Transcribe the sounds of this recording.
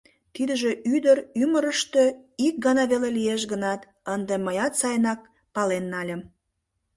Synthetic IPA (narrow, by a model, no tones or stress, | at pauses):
t̪id̪əʒeʔyd̪əɾyməɾəʃt̪øik̚ɡɑnɑβelelieʃɡənɑt̪ | ənd̪eməjɑt̪sɑjnɑk̚ | pɑlenːɑlʲəm